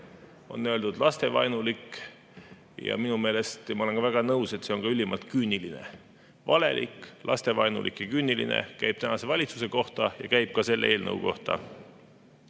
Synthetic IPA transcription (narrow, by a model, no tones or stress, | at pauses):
o̞̰nːøld̪ud̪lɑst̪e̞vɑ̰jnulik | jɑ̰minume̞ːle̞st̪mɑolekɑvæɡ̥ɑnɤwse̞t̪ːˑse̞o̞ŋkɑylʲːimɑlt̪̚kynʲːiline̞̰ | vɑle̞̰lʔḭkːlʔɑ̰st̪e̞vɑjnṵlʔḭkjɑkynʲːilḭnḛkæjb̥̚t̪ænɑse̞vɑlʲit̪suse̞ko̞ht̪ɑjɑ̰kæjb̥̚kɑse̞lːḛe̞ːlnɤ̰wko̞̰ht̪ɑ̰